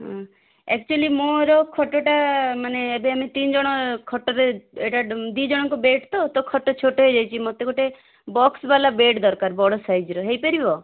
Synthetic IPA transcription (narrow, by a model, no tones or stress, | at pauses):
ɦã | ɛ̰kt͡ʃuelimoɾɔkʰɔʈoʈamaneebeamit̪ind͡ʒɔɽ̃ɔkʰɔʈɔɾeeʈad̪id͡ʒɔɽ̃ɔŋkobeʈt̪ɔt̪ɔkʰɔʈːot͡ʃʰoʈoɦejd͡ʒajt͡ʃʰimot̪ekoʈe | bɔksbalabeʈd̪ɔɾkaɾbɔɽɔsajd͡ʒɾɔɦejpəɾibɔ